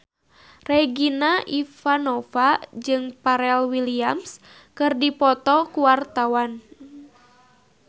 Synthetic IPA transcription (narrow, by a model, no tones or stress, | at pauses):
rɛɡinaʔifanɔfad͡ʒɨŋpaɾɛlwiliams | kɨrdipɔt̪ɔkuwart̪awan